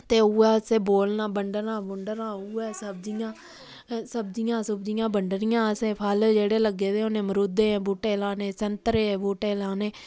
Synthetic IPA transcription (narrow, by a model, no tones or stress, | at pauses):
t̪eːuːɛːsẽːboːlnaːbəɳɖənãːbʊɳɖəɾãːuːɛːsəb̚d̪ɪjãː | səbd̪ɪjãːsəbd̪ɪjãːbəɳɖənɪjãːəsẽːpʰəld͡ʒeːɽeːləɡeːd̪eːʊnẽːməɾoːd̪eːɛ̃ːboːʈeːlaːneːsənt̪ɾeːboːʈeːlaːneː